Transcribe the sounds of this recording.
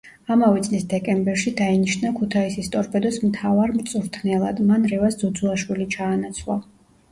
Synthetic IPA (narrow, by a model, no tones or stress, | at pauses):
amavɛt̪sʼlisd̪ɛkʼɛmbɛɾʃid̪ainiʃnakʰut̪ʰaisist̪ʼɔɾpʰɛd̪ɔsmt̪ʰavaɾmt̪sʼuɾt̪ʰnɛlˠad̪manɾɛvasd̪zɔd̪zuaʃwilit͡ʃʰaːnat̪sʰlˠa